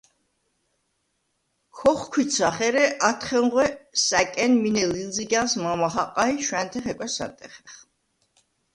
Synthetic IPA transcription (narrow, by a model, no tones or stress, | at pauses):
kʰɔχkʰwit̪sʰaχɛɾɛʔat̪ʰχɛŋʁwɛsækʼɛnminɛlilziɡasmamaɦaqʼaiʃwænt̪ʰɛχɛkʷʼwɛsa̰nt̪ʼɛχɛχ